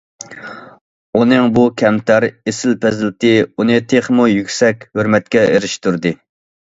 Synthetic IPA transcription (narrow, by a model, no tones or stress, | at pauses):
unɨŋbukʲʰɛmt̪ʰæɾesɪlpʰɛzɪlt̪ɪunɨt̪ʰeχmujykʲsɛkʲhøɾmɛt̪̚kʲɛeɾɪʃt̪uɾd̪ɨ